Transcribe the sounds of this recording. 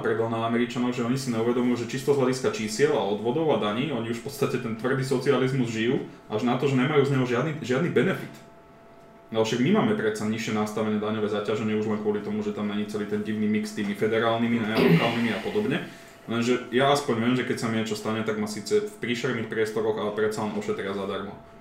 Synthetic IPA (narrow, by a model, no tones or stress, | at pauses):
pɾɛd̪ɔlnaːmɛɾit͡ʃanɔʊʒɛɔɲisiɲɛuʋɛd̪ɔmujuʒɛt͡ʃist̪ɔzɦlaɟiskat͡ʃiːsɪɛlaɔd̪ʋɔd̪ɔʊad̪aɲiːɔɲiuʃfpɔt̪st̪acɛt̪ɛnt̪ʋr̩d̪iːsɔt͡sializmuzʒijuʔauʒnat̪ɔʒɛɲɛmajuzɲɛɦɔʒɪad̪niʒɪad̪nibɛnɛfit̪ | naɔʃaɡmimaːmɛpɾɛt̪saɲiʃɪɛnast̪aʋɛnɛːd̪aɲɔʋɛːzacaʒɛɲɪɛuʒlɛnkʊɔlit̪ɔmuʒɛt̪amnaɲit͡sɛliːt̪ɛnɟiʊnimikst̪iːmifɛd̪ɛɾaːlnimiɛlɔkaːlˠnimiapɔd̪ɔbɲɛ | lɛnʒɛjaaspɔɲʋɛːmʒɛkɛcsamiɲɛt͡ʃɔst̪aɲɛt̪aɡmasiːt͡sɛfpɾiːʃɛɾnixpɾɪɛst̪ɔɾɔɣalɛpɾɛt̪t͡salɛnʔɔʃɛt̪ɾɪazad̪aɾmɔ